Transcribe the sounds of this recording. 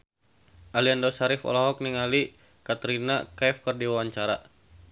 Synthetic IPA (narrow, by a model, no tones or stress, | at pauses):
ʔaliandɔsaɾifɔ̰lɔɦɔk̚niŋali | kat̪ɾinakaɛfkərdiwawaɲt͡ʃaɾa